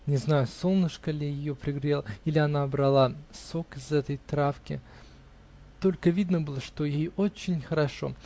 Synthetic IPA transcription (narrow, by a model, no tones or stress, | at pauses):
nʲɪznajʊso̞lˠnɨʂkəlʲɪjɪjopɾʲɪɡɾʲelˠəilʲɪɐnabɾɐlˠasokɪzɛt̪əjt̪ɾafkʲɪ̰ | t̪o̞lʲkəvʲid̪nəbɨlˠəʂt̪ojejot͡ɕːɪnʲxəɾɐʂo̞̰